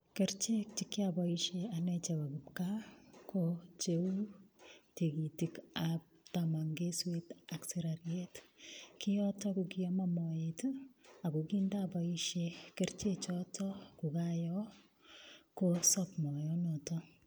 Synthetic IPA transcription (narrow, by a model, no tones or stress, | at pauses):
keɾt͡ʃek̚t͡ʃikːabaiʃeanɛt͡ʃabakupkakʰot͡ʃewutekitikap̚tamaŋɡeswetakseɾaɾjetkʰijɔtɔkukiɔmamɔjetakukindabaiʃekeɾt͡ʃet͡ʃɔtʰɔkukajɔ | kosɔpmɔjɔnotɔ